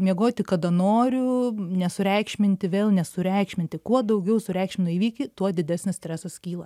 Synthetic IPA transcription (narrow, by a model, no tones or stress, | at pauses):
mʲiɛɡoːt̪ʲɪkɐd̪ɐnoːɾʲʊnʲɛsʊɾʲɛɪkʃʲmʲɪnʲt̪ʲɪʋʲeːlˠnʲɛsʊɾʲɛɪkʃʲmʲɪnʲt̪ʲɪkuɔd̪ɐʊɡʲɛʊsʊɾʲɛɪkʃʲmʲɪnʲʊiːʋʲiːkʲɪt̪uɔd̪ʲɪd̪ʲæsʲnʲɪsʲt̪ʲɾʲæsɐskʲiːlˠɐ